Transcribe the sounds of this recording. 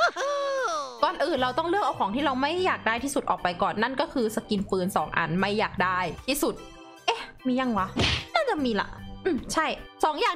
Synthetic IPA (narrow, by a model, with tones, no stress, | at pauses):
kɔː˨˩nʔɯː˨˩nɾa˧wt̪ɔ˥˩ŋlɯ˥˩ək̚ʔa˧wkʰɔː˩˦ŋt̪ʰiː˥˩ɾa˧wma˥˩jːaː˨˩k̚daː˥˩jt̪ʰiː˥˩su˨˩t̪̚ʔɔː˨˩k̚pa˧jkɔː˨˩nːa˥˩nkɔː˥˩kʰɯː˧sa˧ki˧nfɯː˧nsɔː˩˦ŋʔa̰˧˩nma˥˩jːaː˨˩k̚daː˥˩jt̪ʰiː˥˩su˨˩t̪̚ | ʔe˧˥˩miː˧ja˧˩ŋwa˦˥naː˥˩t͡ɕa˨˩ʔmiː˧la̰˨˩ʔʔɯː˧˩mt͡ɕʰa˥˩jsɔː˩˦ŋjaː˨